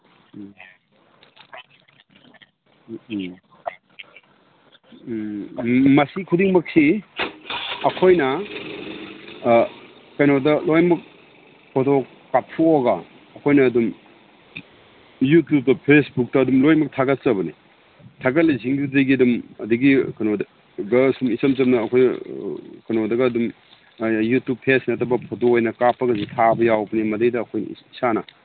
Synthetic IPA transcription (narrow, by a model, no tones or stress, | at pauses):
mɐsikʰudiŋmɐk̚si | ɐkʰojnɐ | kajnodɐlojmɐk̚ | kʰoto | kːatʰuoɡɐː | kʰojnɐːdum | jutjub̚dɐpʰesbuk̚tɐːdumlojmɐk̚tʰaɡɐt̚t͡ʃɐbɐni | tʰaɡɐt̚liziŋdudɐjɡiɐdumɐduɡikɐjnod | ɡɐsumisɐmt͡ʃɐmnɐːkʰoj | kɐjnodɐɡɐːdum | jutup̚pʰesnɐtʰɐbɐpʰotoːjnɐkapʰɐɡɐzitʰabɐjawbɐnimɐdɐjdɐːkʰojn̰isanɐ